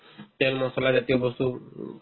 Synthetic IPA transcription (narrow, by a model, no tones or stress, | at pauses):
telmɔsɔlad͡ʒat̪iobɔst̪u